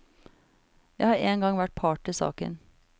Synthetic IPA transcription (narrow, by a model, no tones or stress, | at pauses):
jæɪhɑːɾeːŋɡɑŋʋæʈ̚pʰɑːʈɪsɑ̰ːkə̰n